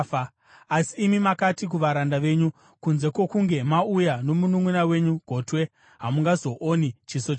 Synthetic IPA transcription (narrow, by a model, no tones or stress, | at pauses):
a | asiːmimakatik̬uʋaɾandaʋe̞ɲu | kunze̞kwo̞kuŋɡe̞maujano̞munumwenawe̞ɲuɡ̥ʱo̞ːtwe̞ | ɦamuŋɡazo̞ʔonit͡ʃisot͡ʃ